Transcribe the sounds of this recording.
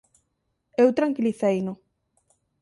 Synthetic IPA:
ewt̪ɾaŋkiliθejnʊ

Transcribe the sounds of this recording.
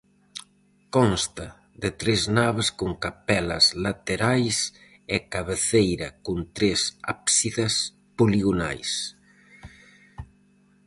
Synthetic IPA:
kɔnst̪a | ðet̪ɾeznaβeskoŋkapɛlɐ̰zlat̪eɾajs | ɛkaβeθejɾɐkunt̪ɾesa̰psiðas | poliɣona̰js

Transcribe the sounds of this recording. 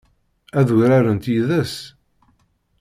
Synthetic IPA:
æðuʝɾaɾənt̪jiðəs

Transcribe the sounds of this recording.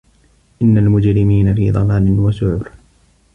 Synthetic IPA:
ʔɪnːalmʊd͡ʒɾɪmiːnafḭːd̪ˤɑmaːnɪnwasʊʕʊɾ

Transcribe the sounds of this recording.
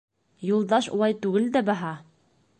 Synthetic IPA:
julˠd̪ɑʃṵlˠɑjt̪ʉɡɘld̪æbæɦɑ

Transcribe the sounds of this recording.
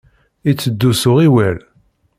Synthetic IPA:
it͡sːəd̪ːusʊʁiwæl

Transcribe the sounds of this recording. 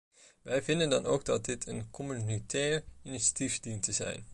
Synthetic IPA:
ʋɛjvɪndəndɑnowɡ̚dɑt̚dɪtʰənkʰɔmynitʰɛːɹiniʃḁtifdintəzɛ̰jn

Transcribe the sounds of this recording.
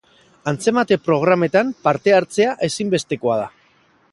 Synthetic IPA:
ant͡se̞mat̪e̞pɾo̞ɣ̞ɾame̞t̪ampaɾt̪e̞aɾt͡se̞aʔe̞simbe̞st̪e̞ko̞að̞a

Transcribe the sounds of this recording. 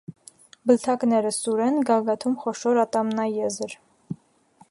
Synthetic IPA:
bəlt̪ʰɑknɛɾəsuɾɛnɡɑɡɑt̪ʰumχɔʃɔɾɑt̪ɑmnɑjɛzəɾ

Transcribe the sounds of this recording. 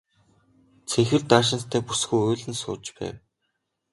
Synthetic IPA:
t͡sʰeŋxɘ̆ɮt̪aːʃ̬ɪ̆nst̪ʰæːpusɡujʊːɮɘ̆nsʊ̰ːt͡ɕpæ̰ːw

